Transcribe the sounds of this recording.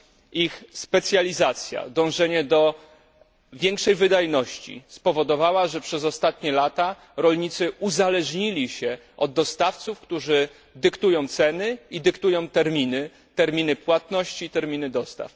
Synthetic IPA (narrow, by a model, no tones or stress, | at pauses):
ixspɛt̪sʲjalʲizat̪sʲja̰d̪ɔ̃w̃ʐɛɲɛd̪ɔ | vʲjɛŋkʂɛjvɘd̪ajnɔɕt͡ɕḭspɔvɔd̪ɔvawaʐɛpʂɛzɔst̪at̪ɲɛlat̪a | ɾɔlɲit̪sɘuzalɛʐɲilʲiɕɛ | ʔɔd̪ːɔst̪aft̪sufkt̪uʐɘ | d̪ɘkt̪ujɔ̃w̃t̪sɛnɘid̪ɘkt̪ujɔ̃w̃t̪ɛɾmʲinɘ | t̪ɛɾmʲinɘpwat̪nɔɕt͡ɕiːt̪ɛɾmʲinɘd̪ɔst̪a̰f